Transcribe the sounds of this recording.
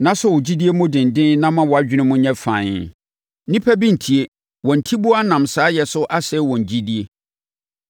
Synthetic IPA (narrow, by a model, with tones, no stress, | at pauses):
nã˦sʊ˦wʊ˨d͡ʑi˦di˦e˦mʊ̃˦dɪ̃˨n˨dɪ̃˦n˦nã˦mã˦wɔ˨a˦d͡ʑᶣɪ˦nɪ̃˦mʊ̃˦ɲɛ̃˦fãː˨ɲɪ˨˦ | nĩ˦pʰæ˦bi˦n̩˨tʰi˨e˦ | wɔ̃˨n̩˨tʰi˦bu˦a˦nã˨msaː˨˦jɛ˨sʊ˦ʔa˦sɛ˦wɔ̃˨ɲ˨d͡ʑi˦di˦e˦